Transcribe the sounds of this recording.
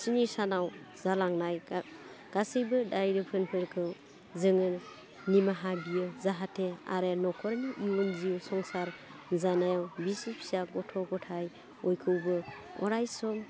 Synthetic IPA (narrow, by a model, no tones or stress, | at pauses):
sinisanawzalaŋnaj | ɡ̥asɯjbɯdajɾɯpʰɯnpʰɯɾkʰɯ | zɯŋɯɾ | nimaɦabijɯzaɦatʰea̰ɾenɔkʰɔɾniʔiwɔnziusɔŋsaɾ | zanajawbisipʰi̥saɡɔtʰɔɡɔtʰaj | ɔjkʰɯwbɯ | ɔ̰ɾajsɔm